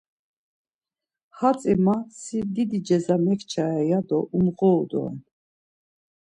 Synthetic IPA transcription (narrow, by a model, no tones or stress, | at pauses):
hat͡sʼimasid̪id̪id͡ʒɛzamɛkʰt͡ʃʰaɛjad̪ɔʔumʁɔud̪ɔ̰n